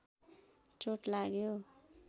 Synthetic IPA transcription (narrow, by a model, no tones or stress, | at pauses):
t͡soʈlaɡjo